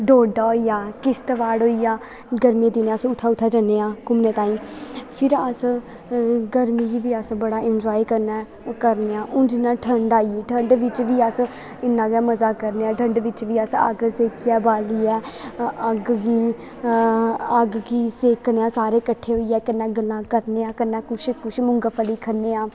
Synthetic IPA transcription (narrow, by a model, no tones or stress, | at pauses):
ɖoːɖaːoijaːkɪst̪əʋaːɽɦoːiːjaː | ɡəɾmĩːd̪ɪneəsʊt̪ʰːaːʊt̪ʰːaːd͡ʒənːeːãːkʊmneːt̪aːĩːpʰɪɾəs | ɡəɾmiːɡiːʋiːəsbəɽaːɪnd͡ʒɔːikəɾnɛː | kəɾneːãːʔʊ̃d͡ʒɪnːãːʈʰəɳɖaːieːʈʰəɳɖʋɪt͡ʃʋiːəs | ɪnːãːɡaːməzaːkəɾneːãːʈʰə̃ɳɖʋɪt͡ʃʋiːəsə̰ɡseːkʰːɛːbaːliːɛːəɡɡiː | əɡɡiːseːkneːãːsaːɾeːkəʈʰːeːɦoːiːɛːkənːɛ̃ːɡəlːãːkəɾneːãːkənɛːkʊʃkʊʃmʊ̃ŋɡaːpʰəliːkʰəɾneːãː